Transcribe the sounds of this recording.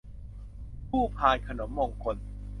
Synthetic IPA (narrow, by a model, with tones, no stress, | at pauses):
pʰuː˥˩pʰaː˧jkʰa˧no˩˦mːo˧ŋkʰo˧n